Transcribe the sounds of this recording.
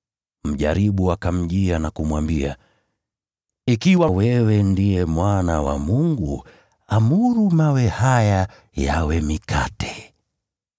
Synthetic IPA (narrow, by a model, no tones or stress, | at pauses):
m̩ʄa̰ɾiɓuakam̩ʄianakumwambia | ikiwawɛwɛndijɛmwanawa̰muŋɡu | amuɾumawɛhaja | ja̰wɛmikʰatɛ̥